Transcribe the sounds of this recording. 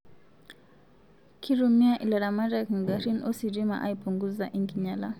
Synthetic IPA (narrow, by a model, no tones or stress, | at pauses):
kʰiɾumiaʔilaɾamaɾakŋ̩ɡaɾinʔɔsiɾima̰ʔaipuŋɡuzaʔiŋɡiɲala